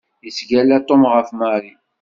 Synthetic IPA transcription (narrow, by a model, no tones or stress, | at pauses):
isɡælæt̪ˤːomʁəfmaɾi